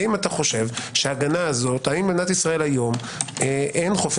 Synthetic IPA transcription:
imat̪aχo̞ʃe̞vʃeaːɡanaːzo̞t̪haimbenat̪isʁae̞lhajo̞m | eʔenχof

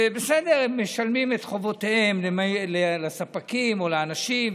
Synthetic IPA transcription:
besed̪eʁemmeʃalmimet̪χo̞vo̞t̪eemlemalelesapakimo̞leanaʃim

